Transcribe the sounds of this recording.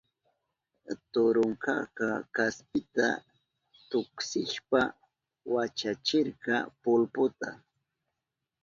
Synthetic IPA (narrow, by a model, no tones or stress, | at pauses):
t̪ʊɾʊŋkɑ̰kɑkaspɪt̪a̰ | t̪ʊksɪʃpa | wat͡ʃat͡ʃɪɾɢɑpʊlpʊt̪a